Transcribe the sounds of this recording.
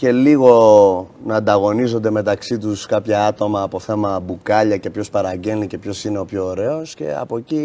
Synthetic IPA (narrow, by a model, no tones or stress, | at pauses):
ce̞liɣo̞nɐːnd̪ɐɣo̞nizo̞nd̪e̞me̞t̪ɐksit̪̬uskɐpçɐɐt̪o̞mɐːpo̞θe̞mɐbukɐʎɐce̞pço̞spɐɾɐɟe̞nice̞pço̞sine̞o̞pço̞ːɾe̞o̞sce̞̰ɐ̰po̞ci